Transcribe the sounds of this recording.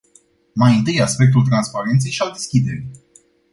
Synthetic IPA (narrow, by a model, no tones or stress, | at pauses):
majɨnt̪ɨjaspe̞k̚t̪ult̪̬ɾanspaɾe̞nt̪se̞jʃald̪e̞skʲid̪e̞ɾi